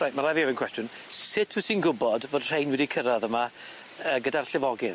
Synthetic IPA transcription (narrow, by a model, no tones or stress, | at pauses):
rajtmaɾavivɪnkʰwɛstjʊn | sɪtʰwitʰinɡʊbɔdvoːd̥r̥ejnwɛdikʰəɾaðəma | əːɡədarɬɪvɔɡɪð